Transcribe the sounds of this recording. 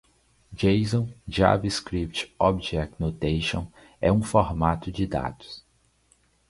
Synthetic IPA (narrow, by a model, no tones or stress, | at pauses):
d͡ʒejzõw̃d͡ʒa̰viskɾip̚t͡ʃɔbd͡ʒɛk̪̚not̪ejʃõ | ɛ̰ũfoɾmat̪ʊd͡ʒɪd̪a̰d̪̥ʊ̥s